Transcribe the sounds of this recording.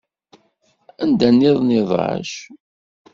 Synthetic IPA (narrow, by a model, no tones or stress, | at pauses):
ænd̪ænːiðˤnɪðˤə̰ʃ